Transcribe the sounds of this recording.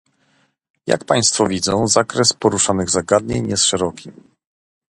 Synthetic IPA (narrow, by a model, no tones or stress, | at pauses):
ja̰kpaj̃st̪fɔvʲid̪zɔ̰̃w̃zakɾɛspɔɾuʂanɘɣzaɡad̪ɲeɲjɛsʂɛɾɔkʲʰim